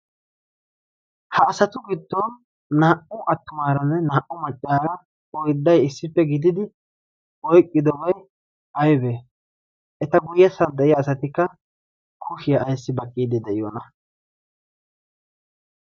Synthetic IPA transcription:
hɐːsɐt̪ʊɡɪd̪ːɔnː | aːʔʊʔɐt̪ːʊmaːɾɐnːɛnaːʔʊmɐt͡ʃʼːaːɾɐ | ɔjd̪ːɐjɪsːɪpːɛɡɪd̪ɪd̪ɪ | ɔjkʼːɪd̪ɔbɐj | ʔɐjbeː | ʔɛt̪ɐɡʊjɛsɐnd̪ɛʔɪjɐːsɐt̪ɪkːɐ | kʰʊʃɪjɐːjsːɪbɐkʼːiːd̪ɪd̪ɛʔɪjɔːnɐ

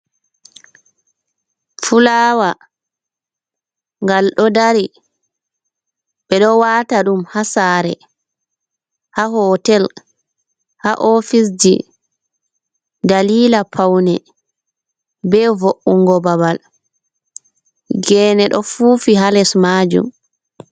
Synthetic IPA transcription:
fulaːwa | ŋɡalɗɔdaɾi | ɓɛɗɔwaːtaɗumhasaːɾɛ̰ | haɦɔːtɛl | haʔofis̬d͡ʒḭ | daliːlapʰawnɛ | bɛvoʔuŋɡɔbabal | ɡɛːnɛɗɔfuːfiɦalɛsmaːd͡ʒṵm

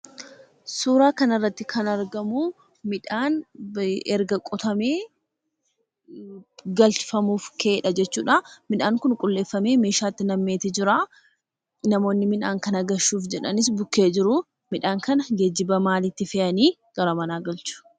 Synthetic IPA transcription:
suːɾaːkɐnɐrːɐt̪ːɪkʰɐnɐɾɡɐmu | mɪᶑaːn | ɛɾɡɐkʼɔt̪ɐmeː | ɡɐlt͡ʃfɐmuːfkeːᶑɐd͡ʒɛt͡ʃːuːᶑaːmɪᶑaːŋkʊnkʼʊlːe̞ːfːɐme̞ːme̞ːʃaːt̪ːɪnɐmːe̞ːt̪ɪd͡ʒɪɾa | nɐmo̞ːnːɪmɪnaːŋkɐnɐɡɐʃːuːfd͡ʒɛᶑɐnɪs̬bʊkːe̞ːd͡ʒɪɾʊ | mɪᶑaːŋkɐnɐɡed͡ʒːɪbɐmaːlɪt̪ːɪfɛʔɐniː | ɡ̥ɐɾɐmɐnaːɡɐlt͡ʃʊ̥

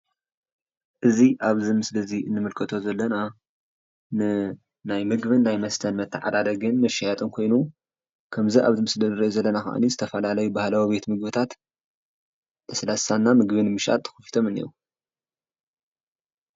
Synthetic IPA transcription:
ʔɨziʔaβzimɨslɐziɨnːɨmɨlkʰɨt̪ʰo̞zɐlːɐna | nɨ | najmɨɡβɨnːajmɐst̪ʰɐnmɐt̪ʰːɨʕa̰d̪ad̪ɐɡɨnmɐʃːajat̪ʼɨnkʰo̞jnu | kʰɐmziʔa̰βɨt̪mɨsdɐɾɐzɐlːɐnaxɐ̰ʔnizɨt̪ʰɐfɐlalɐjubahlawibe̞t̪mɨɡ̚bɨt̪ʰat̪ | ɨslasanːamɨɡβɨnmɨʃʔa̰t̪ʰːɨ̥xɨfi̥t̪ʰo̞mɨnḭɾu

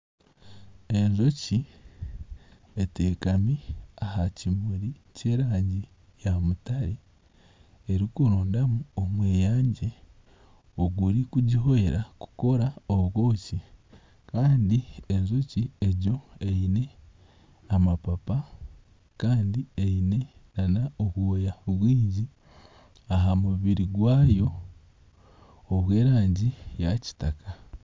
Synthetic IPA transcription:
e̞ɲzo̞ci | eteːkamiahacimuɾice̞ːɾaːɲɟi | jamutaɾi | eɾikuɾoːndamuomweːjaːɲɟe̞ | oɡuɾikuɟiɦo̞eɾaku̥ko̞ɾaoɡo̞ːci | kaːndieɲzocieɟo̞eine̞ | amapapa | kaːndieine̞nanaoβwoːjaβuβwiːɲɟi | aɦamuβiɾiɡwaːjo̞ | βwe̞ːɾaːɲɟijaci̥taka

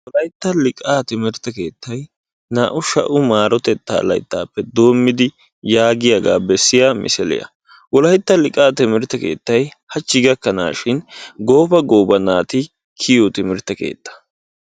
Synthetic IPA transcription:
wɔlɐjt̪ːɐlɪkʼaːt̪ɪmɪɾɪt̪ɐke̞ːt̪ːɐj | naːʔʊʃɐ̰ʔʊmaːɾɔt̪ɛt̪ːa̰ːlɐ̰jt̪ːaːpːɛd̪o̞ːmːɪd̪ɪ | jaːɡɪjaɡa̰ːbɛsːɪjaːmʔɪ̰sɛlɪ̰jɐ̰ | wɔlɐjt̪ːɐlɪkʼaːt̪ɪmɪɾɪt̪ːɐke̞̰ːt̪ːɐj | hɐt͡ʃːɪɡɐkːɐna̰ːʃɪnɡo̞ːfɐɡo̞ːbɐnaːt̪ɪ | kʰɪjɔt̪ɪmɪɾɪt̪ːɐkḛːt̪ːɐ̥

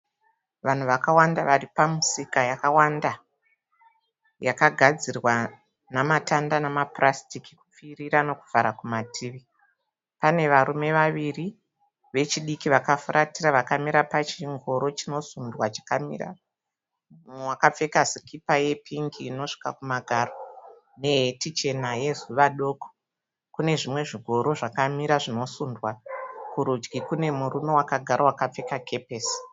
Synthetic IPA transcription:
ʋan̤uʋakawandaʋaripamusikajakawanda | jakaɡʱad͡zirwa | namatandanamaprastikikup͡firiɾano̞ku̥vʱaɾakumatʰiːʋi | pane̞ʋaɾume̞ʋaʋiri | ʋe̞t͡ʃiɗikiʋakafurʔatiraʋakamiɾapat͡ʃiŋɡo̞ɾo̞t͡ʃino̞sundwat͡ʃḁkamḭra̰ | wakap͡fe̞kasikipaje̞pʰiŋɡiːno̞ʂi̥kakumaɡʱaro̞ | ne̞ɦetit͡ʃe̞naje̞zuʋaɗo̞ːko̥ | kune̞ʐimwe̞ʐiɡʱo̞ɾo̞ʐakamiɾaʐino̞sundwakuɾud͡ʒɡikune̞muɾumo̞wakaɡʱaɾawakap͡fe̞kake̞pes

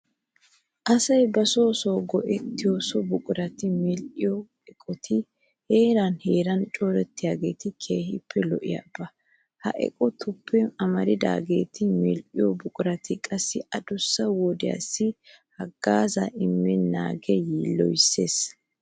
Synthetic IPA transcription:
ʔɐsɐjbɐso̞ːsoːɡɔʔɛt̪ːɪjoːsɔbʊkʼʊɾɐt̪ɪmɪlʔɪjɔ | ɛkʼɔt̪ʰɪ | he̞ːɾanheːɾɐnt͡ʃʼoːɾɛt̪ːɪjaːɡe̞ːt̪ɪkʰeːhɪpʰːɛlɔʔɪ̰ja̰b̥ɐ | hɐ̰ʔɛ̰kʼɔt̪ʰʊpːɛɐmɐɾɪd̪a̰ːɡe̞ːt̪ɪmɪlʔɪjɔbʊkʼʊɾɐt̪ʰɪkʼɐsːɪɐd̪ʊsːɐwɔd̪ɪja̰sːɪ | hɐɡːaːzɐʔɪmːɪna̰ːɡɛjiːlːɔ̰jɪsːe̞ːs

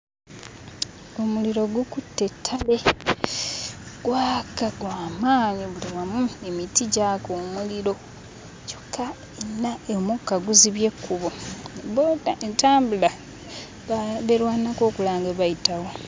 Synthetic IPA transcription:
omuliɾo̞ɡukutːe̞tʰːale | ɡ̥waːkaɡwaːmaːɲiβuliβamuemitiɟakomuliɾo̞ | co̥kʰːa | enːaemukːaɡuziβje̞kʰːuβoboːdaentaːmbula | βeɾwaːnako̞ːkulaːŋɡeβajitawo

